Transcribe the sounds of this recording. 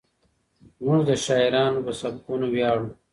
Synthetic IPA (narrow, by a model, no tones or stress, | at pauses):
muʐd̪əʃaːiɾɑːnopɐsɐb̚kunowjɑːɽũ